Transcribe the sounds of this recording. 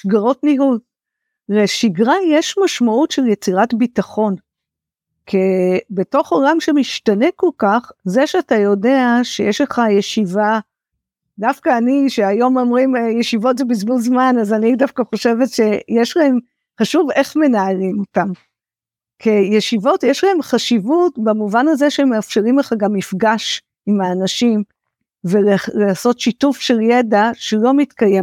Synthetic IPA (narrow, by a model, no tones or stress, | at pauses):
ʃɡaʁo̞tnihuz | leʃiɡʁajeʃmaʃmautʃeljet͡siʁatbitaχo̞n | kʰebe̞to̞χolamʃemiʃtane̞ko̞lkaχzeʃeatajo̞de̞aʃejeʃleχaje̞ʃiva | dafkaːniʃeajo̞momʁimjeʃivo̞tzebizbulzmanazanidafkaχo̞ʃe̞vetʃe̞jeʃlahe̞m | χaʃuve̞χme̞naalimotam | kʰejeʃivo̞tjeʃlahe̞mχaʃivutbamuvanazeʃeemeafʃe̞ʁimleχaɡamːifɡaʃ | imaːnaʃim | veleleaso̞tʃitufʃeljedaʃelo̞mitkajem